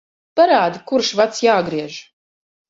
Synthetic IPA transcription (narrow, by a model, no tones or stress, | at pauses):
paɾaːd̪ikuɾʃvat̪sjaːɡɾiɛʒ